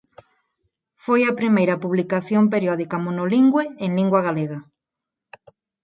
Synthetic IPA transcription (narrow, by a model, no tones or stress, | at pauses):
fojɐpɾimejɾɐpuβlikaθjomp̬eɾjɔðikɐmonoliŋɡweeŋliŋɡwɐɣaleɣɐ